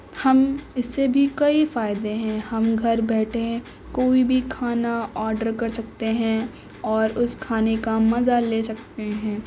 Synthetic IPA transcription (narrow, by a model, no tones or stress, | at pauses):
hɐmɪsːebʱikɐifaːɪd̪eɦɛ̃hɐmɡʱɐɾbɛːʈʰẽ | koːibʱikʰaːnaɔːɾɖəɾkɐɾsɐk̚t̪eɦɛ̃ | ɔːɾʊskʰaːnekamɐzaleːsɐk̚t̪eɦɛ̃ː